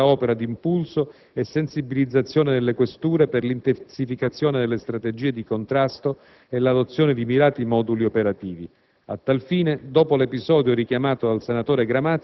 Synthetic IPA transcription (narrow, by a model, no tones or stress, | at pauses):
aɔːpeɾad̪iːmpulso | esːensibilid̪zːat̪sːjoːned̪elːekwest̪uːɾeperlint̪esifikat̪sːjoːned̪elːest̪ɾat̪ed͡ʒiːed̪ikont̪ɾast̪o | elad̪ot̪sːjoːned̪imiɾaːt̪imɔːd̪uliopeɾat̪iːvi | a̰t̪ːalfiːned̪ɔːpolepizɔːd̪joɾikjamaːt̪od̪alsenat̪oːɾeɡɾamat̪